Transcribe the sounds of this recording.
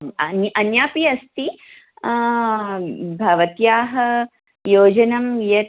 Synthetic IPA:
ɐnʔɐnjaːpiɐst̪i | bʱɐʋɐt̪jaːɦɐ | joːd͡ʒɐnɐmjɐ

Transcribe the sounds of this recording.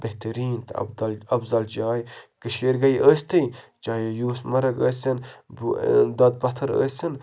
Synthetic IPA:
beht̪ɐɾiːnt̪ʰd̪ɐbzɐld͡ʒaːjɡəʃeːɾɡɐjʔəːsʲt̪ɐj | d͡ʒaːjejuːsmɐɾɐɡəːsʲɐnbd̪ɐd̪̚bɐt̪ʰɐɾə̰ːsin

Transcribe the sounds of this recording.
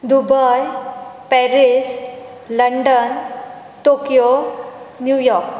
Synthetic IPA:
d̪ubʱəjpɛɾis | ləɳɖən | ʈokijo | njujɔɾk

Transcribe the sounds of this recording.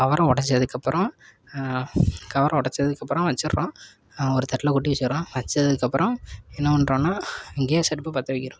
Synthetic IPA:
kɐʋɐɾɐ̃ɔɽɐt͡ʃːɐðɯkːɐpːɯɾɔ̃ | kɐʋɐɾʔɐ̃ɔɽɐt͡ʃːɐðɯkːɐpːɾɔ̃ʋɐt͡ʃːɯɾɾõː | ɔɾɯt̪ɐʈːlɐkʊʈːiʋɛt͡ʃːɾõːʋɐt͡ʃːɐðɯkːɐpːɯɾɔ̃ɛnːɐʋɐnɾõːnːaːɛŋɡejsɐʈpːɐpɐt̪ːɐʋɐɪkːɪɾũ

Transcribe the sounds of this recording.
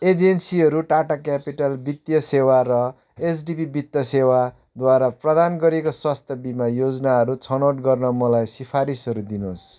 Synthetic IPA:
ed͡zensiɦʌɾuʈaʈakapiʈʌlbit̪jʌsewaɾʌ | esɖipibit̪jʌsewa | d̪waɾaprʌd̪anɡʌɾekoswast̪ʰjʌbimajod͡znaɦʌɾut͡sʰʌnoʈɡʌrnʌmʌlajsipʰaɾisʌɾud̪inos

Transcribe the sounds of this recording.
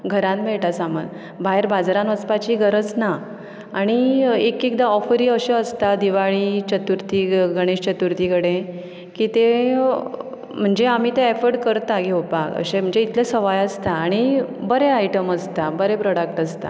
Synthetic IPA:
ɡʱəɾãnmeɭʈasamə̰n | baɦeɾbad͡zɾãnʋət͡spat͡ɕiɡəɾət͡sna | aɽ̃iekek̚d̪aɔfəɾiːəɕẽəst̪ad̪iʋaɭit͡ɕət̪uɾt̪iɡəɽ̃eɕt͡ɕət̪uɾt̪ikəɽẽ | kiːt̪e | m̤əɳd͡ʑeam̤iːt̪ẽɛfəɾɖkəɾt̪aɡʱewpakə̰ɕẽm̤əɳd͡zeit̪lesəʋajəst̪aːɽ̃ibəɾeajʈəməst̪abəɾepɾɔɽək̚ʈəst̪a̰

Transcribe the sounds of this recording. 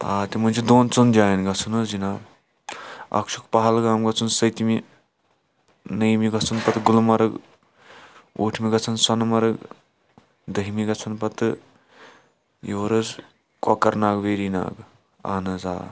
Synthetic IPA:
aːt̪imɐnʲt͡ʃʰid̪oːnt͡sund͡ʒʲaːjinɡɐt͡sʰunɐd͡ʒinaːb | ɐ̰kʃʰukpɐɦɐlɡaːmɡɐt͡sʰunsɐjt̪imi | nɐjmiɡɐt͡sʰunpɐt̪ɡulmɐɾɐɡ | ṵːʈʰmiɡɐt͡sʰɐnsɐnmɐɾɐɡ | d̪ɐɦimiɡɐt͡sʰɐnpɐt̪ɨ | joːɾɐz | kɐkɐɾnaːɡʋeːɾina̰ːɡ | a̰ːnɐza̰ː

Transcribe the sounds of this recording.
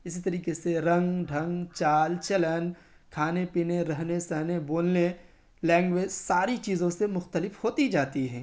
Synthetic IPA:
ɪsit̪ɐɾiːkeseɾɐ̃ŋɡɖʱɐ̃ŋɡt͡ʃaːlt͡ʃɐlən | kʰaːnepiːneɾɐɦnesɐɦneboːnle | lɛ̃ːŋɡʋeːd͡ʒsaːɾit͡ʃiːzõsemʊxt̪əlɪfhoːt̪id͡ʒaːt̪iɦɛ̃ː

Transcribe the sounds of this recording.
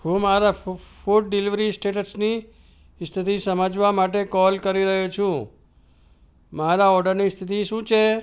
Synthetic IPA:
ɦũmaɾafuʈ̚ɖiliʋɾisʈeʈəɾsni | st̪ʰit̪isəməd͡ʒʋamaʈ̬ekɔlkəɾiɾəɦut͡ʃʰũ | maɾaɔɾɖəɾnist̪ʰit̪iʃũt͡ʃʰe

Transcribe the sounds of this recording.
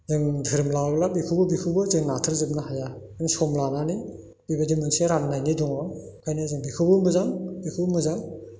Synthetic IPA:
zɯŋdʰʱɯɾɯmlawblabikʰɯbɯbikʰɯbɯzɯŋnatʰɯɾzɯp̚nahajazɯŋsɔmlanani | b̥ibadimɯŋseɾannajniduŋa | kʰajnɯzɯŋbikʰɯbɯmɯzaŋbikʰubɯmɯzaŋ

